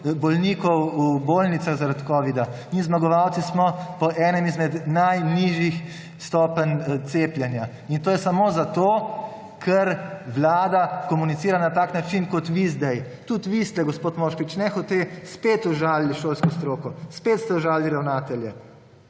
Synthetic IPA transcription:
bɔlniːkɔwuboːlnit̪saɣzaɾat̪kɔːʋid̪amizmaɡɔʋawt̪sismɔpɔʔɛːnɛmizmɛd̪najniʒix | st̪ɔːpənt̪seːplʲjɛnja | int̪oːjɛsamoːzat̪oː | kʰɛɾʋlaːd̪akɔmunit̪siːɾanat̪aːknat͡ʃinkɔt̪ʋizd̪ɛj | t̪ut̪ʋist̪ɛɡɔspoːt̪moːʃkʋit͡ʃnɛxɔt̪espeːt̪ɔʒaːlːiʃoːlskɔst̪ɾoːkɔspeːt̪st̪ɛɔʒaːliɾawnaːt̪ɛljɛ

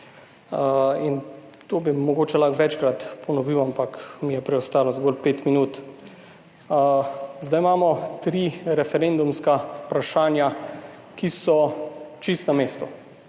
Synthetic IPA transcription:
in | t̪oːbimɔɡoːt͡ʃɛlaxʋɛt͡ʃkɾat̪pɔnɔʋiːwampakmijɛpɾɛɔst̪aːlɔzɡoːlpeːt̪minuːt̪ | zd̪ajmaːmɔt̪ɾiɾɛfɛɾend̪umskapɾaʃaːnja | kisɔt͡ʃist̪nameːst̪u

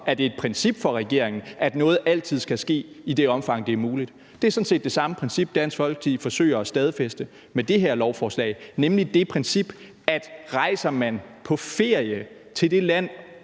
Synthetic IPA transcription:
æɐd̥e̝ːd̥̚pʰɛnsib̥fɒ̽ʁɛɡ̥e̝ɐ̰e̝ŋn̩ʔæd̥nɔ̽ːð̞̩ˠʔæl̰t͡sʰið̞̰ˠsɡ̥æsɡ̥e̝̰ː | id̥e̝ɒ̽mfɑ̈ŋ̰d̥e̝æɐmuːlid̥ | d̥e̝æɐsɒ̽n̩se̝̰ːd̥e̝sɑ̈məpʰʁɛnsib̥̚d̥æn̰sfɒ̽lɡ̥ə̥t͡sʰið̰ˠfɒ̽sø̰ɪɐɒsd̥ɛð̞ˠfesd̥ə | med̥e̝ɦeɐ̰lɒʊfɒːslɛ̰ɪnemlid̥e̝pʰʁɛnsib̥ | æd̥ʁɑ̈ɪ̰sɐmænpʰɒ̽fe̝ɐ̰jə | t͡sʰe̝ld̥e̝læn̰

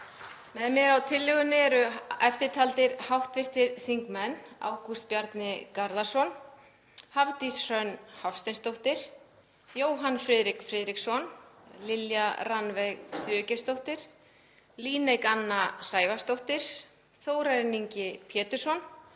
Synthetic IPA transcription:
mɛðmɪðawt̪ʰɪlːʏɣʏnːɪɛɾʏɛft̪ɪɾt̪ʰalt̪ɪɾhawht̪vɪr̥t̪ɪɾθiŋkmɛna̰wkʰust̪pjaɾt̪nɪkaɾðaɾ̥sɔn | havt̪isr̥œnhafst̪ɛnst̪owht̪ɪɾ̥ | joːwɦanfɾɪːðɾɪkfɾɪːðɾiksɔnlɪljaɾanvejɣsʏːcɪst̪owht̪ɪɾ̥ | liːnejkanːasaːjvast̪owht̪ɪɾ̥ | θoːwɾaɾniɲcɪpʰjɛːt̪ʏ̥sɔn

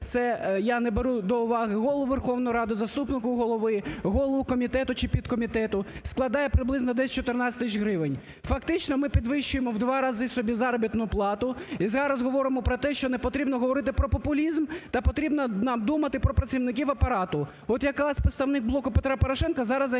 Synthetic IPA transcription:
t̪sɛjanebeɾud̪ɔʊʋɑɦɪɦɔlˠʊʋerxɔwnɔjʊɾɑd̪ʊzɐst̪upnɪkʊɦɔlˠɔʋɪɦɔlˠɔʋʊkɔmʲit̪ɛt̪ʊt͡ʃɪpʲid̪kɔmʲit̪ɛt̪ʊsklˠɐd̪ɑjɛpɾɪblˠɪznɔd̪ɛsʲt͡ʃɔt̪ɪrnɑt͡sʲt̪ɪt͡ʃɦɾɪʋɪnʲ | fɐkt̪ɪt͡ʃnɔmɪpʲid̪ʋɪʃt͡ʃʊjemɔwd̪ʋɑɾɑzɪsɔbʲizɑɾɔbʲit̪nʊplˠɑt̪ʊizɑɾɐzɦɔʋɔɾɪmɔpɾɔt̪ɛʃt͡ʃɔnepɔt̪ɾʲibnɔɦɔʋɔɾɪt̪ɪpɾɔpɔpʊlʲizmt̪ɐpɔt̪ɾʲibnɐnɑmd̪umɐt̪ɪpɾɔpɾɐsʲiwnɪk̬ʲiwɐpɐɾɑt̪ʊ | ɔt̪jɐkɑsʲpɾɪt̪st̪ɐʋnɪɡ̚blˠɔkʊpet̪ɾapɔɾɔʃɛnkɐzɑɾɐz

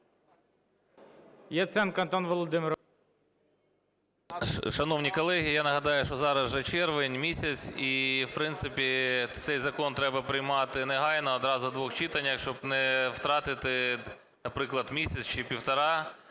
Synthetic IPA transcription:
jɐt̪sɛnkɐnt̪ɔnʋɔlˠɔd̪ɪmʲɪɾ | ʃɐnɔwnʲikɔlˠɛɦʲiijanɐɦɐd̪ɑjʊʃt͡ʃɔzɑɾɐzʒɛt͡ʃɛrʋɪnʲmʲisʲɐt͡sʲiwpɾɪnt̪sɪpʲit̪sɛjzɐkɔnt̪ɾɛbɐpɾɪjmɑt̪ɪnɛɦɑjnɔːd̪ɾɑzʊd̪ʋɔxt͡ʃɪt̪ɐnʲɐxʃt͡ʃɔbnɛwt̪ɾɑt̪ɪt̪ɪ | nɐpɾɪklˠɐd̪mʲisʲɐt͡sʲt͡ʃɪpʲiwt̪ɐɾɑ

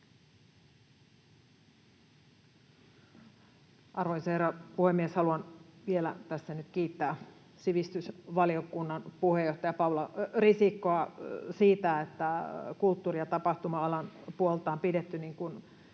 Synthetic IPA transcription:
ʔɑrʋoiserɑpuhemːieshɑluɑnʋielæ̰t̪æsːænyt̪kiːt̪ːæː | siʋist̪ysʋɑliokunːɑnpuhejoht̪ɑjɑpɑwlɑrisikːoɑsiːt̪æet̪ːækult̪ːuːriɑt̪ɑpɑht̪umɑɑlɑnpuolt̪ɑːmpidet̪ːyniŋkun

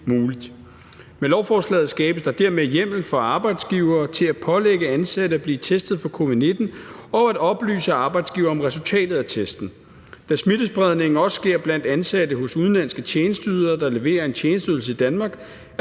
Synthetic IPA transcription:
muːlid̥ | melɒʊfɒːslɛ̰ːð̩ˠsɡ̥ɛːb̥əsd̥ɑ̈d̥eɐ̰mejem̰l̩fɒ̽ɑ̈ːb̥ɑ̈ɪd̥sɡ̥iʊɐːt͡sʰe̝læ̥pʰɒ̽leɡ̥əænsæd̥əæb̥liːt͡sʰesd̥ð̩ˠfɒ̽kʰo̝ʋið̩ˠne̝d̥n̩ɒ̽æd̥ɒ̽b̥ly̰ːsəɑ̈ːb̥ɑ̈ɪ̰d̥sɡ̥iʊɐɒ̽mʁɛsult͡sʰɛ̰ːd̥ð̩ˠæt͡sʰesd̥n̩ | d̥æsmid̥əsb̥ʁɛð̞ˠne̝ŋŋ̩ɒ̽sɡ̥e̝ɐ̰b̥læn̰d̥ænsæd̥əɦɔ̽suðˠnlænsɡ̥ət͡ɕʰeːnəsd̥yːðˠɐːd̥ɑ̈le̝ʋe̝̰ːɐe̝nt͡ɕʰjeːnəsd̥yðˠl̩s̬əid̥ænmɑ̈ːɡ̥

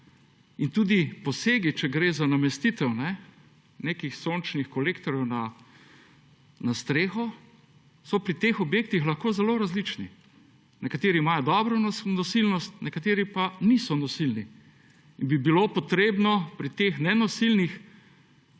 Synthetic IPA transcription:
int̪uːd̪ipɔseːɡit͡ʃɛɡɾeːzanamɛst̪it̪ɛwnɛ | neːkixsont͡ʃnixkɔleːkt̪ɔɾjɛwna | nast̪ɾeːxɔ | sɔpɾit̪eːxɔbjeːk̚t̪ixlɐxkoːzɛloɾazlit͡ʃni | nɛkat̪eːɾimajɔd̪ɔːbɾɔnnɔsilnɔst̪nɛkat̪eːɾipanisɔnɔsilni | inbibilopɔt̪ɾeːbnɔpɾit̪exnɛnɔsilnix

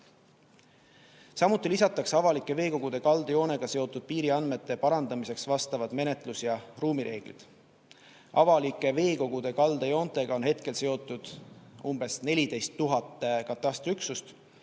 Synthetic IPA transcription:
sɑmut̪ːˑilisɑt̪ːˑɑksɑvɑlikːˑe̞ve̞ːko̞ɡ̥ud̪̥e̞kɑld̪̥ejo̞ːne̞ɡ̥ɑse̞o̞t̪ːˑud̪̥̚piːɾiɑnd̪me̞t̪ˑːe̞pɑɾɑnd̪̥ɑmise̞ksvɑst̪ɑvɑd̪me̞ne̞t̪ˑlusjɑruːmiɾe̞ːɡ̥lḭd̪̥ | ʔɑvɑlikːˑe̞ve̞ːko̞ɡ̥ud̪̥e̞kɑld̪̥ejo̞ːnt̪ˑe̞ɡ̥ɑonɦe̞t̪ke̞lse̞o̞t̪ːˑud̪̥umb̥e̞sne̞lʲid̪e̞jst̪ːuɦɑt̪ːˑe̞kɑt̪ːˑɑst̪ryksust̪

